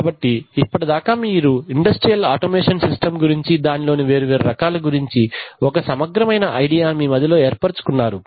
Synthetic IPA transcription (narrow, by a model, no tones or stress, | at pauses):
aːbɐʈːiːpːɐʈid̪aːkaːmiːɾuiɳɖɐsʈɾijɐlaːʈoːmeːʂɐnsisʈɐmɡuɾiɲt͡ʃid̪aːnilo̞ːniʋe̞ːɾuʋeːɾuɾɐkaːlɐɡuɾiɲt͡ʃiɔkɐsɐmɐɡɾɐmɐjnɐʔɐjɖijaːmiːmɐd̪ʱɐlo̞ːeːɾpɐɾt͡ʃu̥kunːaːɾu